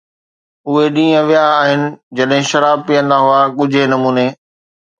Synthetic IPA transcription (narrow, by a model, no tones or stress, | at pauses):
ʊɦeɗĩːə̃ʋijaːɦɪnɪ̆d͡ʑɐɗɦɪ̃ʃɐɾaːb̚pijə̃nd̪aɦʊakʊd͡ʑʱenɐmuːneː